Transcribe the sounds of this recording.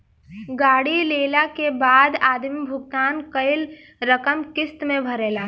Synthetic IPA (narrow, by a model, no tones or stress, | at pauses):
ɡaːɽileːlakebaːd̪aːd̪mibʱʊɡt̪aːnkəɪl | ɾəkəmkɪst̪mẽbʱɐɾeːlaːɦ